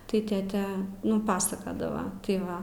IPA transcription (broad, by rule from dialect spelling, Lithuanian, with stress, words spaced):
tɐɪ ˈtʲeːtʲɛ ˈnʊ ˈpɑːsɐkɐdɐʋɐ tɐɪ ˈʋɐ